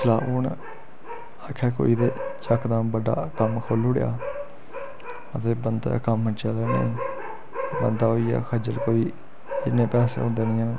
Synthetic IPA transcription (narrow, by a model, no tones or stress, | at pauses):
slaːʊn | əkʰɛːko̰ːiːd̪eːt͡ʃəkd̪ãːbəɖa̰ːkəmkʰoːlʊɽja̰ː | ət̪eːbənd̪a̰kəmːət͡ʃaːleːnḛ̃ | bənd̪aːɦoːiːa̰ːkʰəd͡ʒəlkoːiː | ɪnẽːpɛːsḛːõːnd̪eːnɪ̃ːaːnː